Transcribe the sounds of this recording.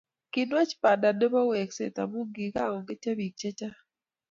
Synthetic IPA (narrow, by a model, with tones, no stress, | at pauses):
ki˨nwa˦t͡ʃpa˨da˨de˦ba˦we˨ksḛ˨t̪a̰˨mu˦ɡi˨ka˦˨ŋɔ˨ŋɡe˦t͡ʃa˦βi˨k̚t͡ʃe˦t͡ʃa˦